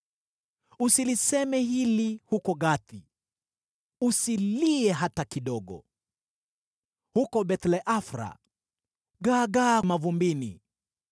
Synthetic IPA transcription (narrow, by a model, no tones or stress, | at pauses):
usilisɛmɛɦilihukɔɠaθi | usiliɛɦatakiɗɔɠɔ̰ | hukɔɓɛt̪lɛʔafɾa̰ | ɡaɡamavumbinḭ